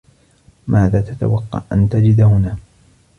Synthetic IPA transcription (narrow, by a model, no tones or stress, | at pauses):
mʔaːðaːt̪at̪a̰wɑqːɑ̰ʕʔant̪ad͡ʒɪd̪hʊnaː